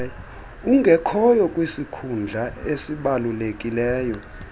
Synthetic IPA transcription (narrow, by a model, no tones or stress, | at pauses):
uŋʱɛkʰɔjɔkʼwisikʰund͡ɮʱaesiɓalulekʼilɛːjɔ